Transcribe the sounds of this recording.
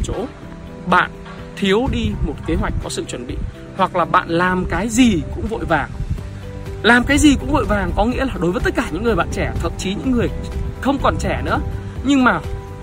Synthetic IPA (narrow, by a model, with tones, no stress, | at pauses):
t͡ɕo̰˧˥ | ɓa̰ː˧˨n | t̪ʰi˨˦əwɗi˧mo˨˩t̚ke˨˦ɦwa˨˩jk̟̚kɔ˨˦sɨ̰˧˨t͡ɕwə˧˩nɓḭ˧˨ | hwa˨˩k̚laː˨˩ɓa̰ː˧˨nlaː˨˩mkaː˨˦jzi˨˩kʊ̰˧˥ŋ͡mvo̰˧˨jvaː˨˩ŋ | laː˨˩mkaː˨˦jzi˨˩kʊ̰˧˥ŋ͡mvo̰˧˨jvaː˨˩ŋkɔ˨˦ŋḭ˧˥əlaː˨˩ɗo˨˦vəː˨˦t̪t̚kaː˧˩ɲɨ̰˧˥ŋːɨ˨˩əjɓa̰ː˧˨nt͡ɕɛ˧˩t̪ʰə̰˧˨mt͡ɕi˨˦ɲɨ̰˧˥ŋːɨ˨˩əjxə˧wŋ͡mkɔ˨˩nt͡ɕɛ˧˩nɨ̰˧˥ə | ɲɨ˧ŋmaː˨˩